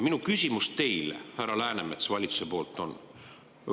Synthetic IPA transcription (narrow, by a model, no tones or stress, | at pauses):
minukysʲimustt̪e̞jlḛhærɑlæːnemet̪svɑlʲit̪su̥sepo̞ːlt̪ːˑo̞n